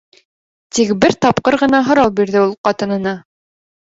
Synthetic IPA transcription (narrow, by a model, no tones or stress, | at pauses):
t̪ikbɘɾt̪ɑpqɤɾʁɤ̆nɑɦŏɾɑwˠbiɾðɘulˠqɑt̪ɤ̆nɤ̆nɑ